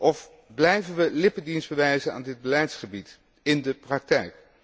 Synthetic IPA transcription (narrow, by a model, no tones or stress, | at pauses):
ʔɔf | blɛjvənʋəlɪpədinzbəʋɛjzəna̰ːndɪd̚bəlɛjtsχəbit | ɪndəprɑk̚tɛjk